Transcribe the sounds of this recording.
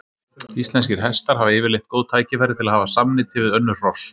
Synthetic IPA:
ist̪lɛnscɪɾ̥ɦɛst̪aɾ̥ɦavɛːvɪɾlejht̪̚koːwðt̪ʰaːjcɪfaɾɪt̪ʰɪlaðhaːvasamnɪt̪ʰɪvɪðœnːʏr̥ɔs

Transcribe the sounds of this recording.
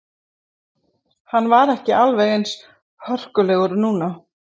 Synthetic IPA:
hanːvaɾɛhcɪʔalvɛɣejns | hœr̥kʏlɛɣʏɾnuːna

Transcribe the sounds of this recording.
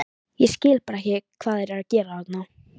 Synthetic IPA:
jɛscɪːlpaɾɛhçcɪkʰv̥aːðɛɾɛɾacɛːɾaðat̪naw

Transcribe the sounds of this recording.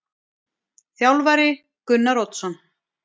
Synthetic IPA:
θjawlvaɾɪ | kʏnːaɾowt̪sɔn

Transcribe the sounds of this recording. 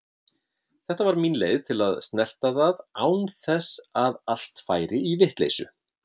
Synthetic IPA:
θɛht̪avaɾminleːjðt̪ʰɪlaðst̪nɛl̥t̪aðaðaːwnθɛsaðal̥t̪faːjɾɪivɪht̪lḛjsʏ̰

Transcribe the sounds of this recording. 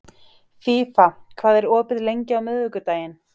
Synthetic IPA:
fiːfakʰvaːðɛɾɔːpɪðlejɲcɪawmʏːððʏkʏt̪aːjɪn

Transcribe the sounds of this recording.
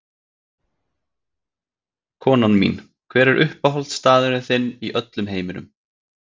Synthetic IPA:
kʰɔːnanmḭn | kʰvɛːɾɛɾʔʏhpaɦɔlt̪st̪aːðʏɾɪθɪnːiʔœt̪lʏmɦeːjmɪnʏ̰m

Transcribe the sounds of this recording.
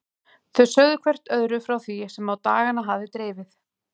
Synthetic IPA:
θœsœɣðʏkʰvɛr̥t̪œðɾʏfɾawθisɛmawt̪aːɣanaɦavðɪt̪ɾeːvɪθ

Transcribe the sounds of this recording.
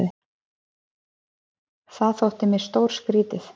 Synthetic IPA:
ɪ | θaðθowht̪ɪmjɪst̪owɾ̥skɾiːt̪ɪθ

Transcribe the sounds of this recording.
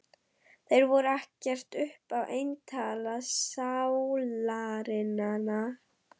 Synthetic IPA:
θejɾvɔɾʏahcɛr̥t̪ʏhpavʔejnt̪ʰaːlasawlaɾɪnana

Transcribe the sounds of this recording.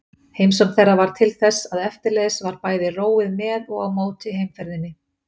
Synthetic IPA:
heːjmsɔnθɛrːavaɾ̥t̪ʰɪlθɛsːaðɛft̪ɪɾlɛːðɪsvaɾpaːjðɪroːwɪðmɛːðɔɣawmoːwt̪ɪɦejmfɛɾðɪnːɪ

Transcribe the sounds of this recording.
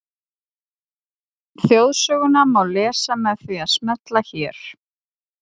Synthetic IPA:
θjowðsœːɣʏnamawlɛːsamɛðθviaðsmɛt̪laçɛːɾ̥

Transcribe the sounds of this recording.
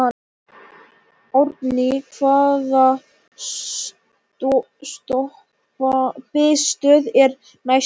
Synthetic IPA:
a | oɾp̪nɪkʰvaːða | t̪ | st̪ɔh | papɪst̪œðɛɾ | naj

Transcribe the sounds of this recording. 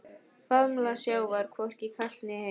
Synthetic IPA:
faðmlasjaːwvaɾ̥kʰvɔr̥cikʰat̪nɪhe

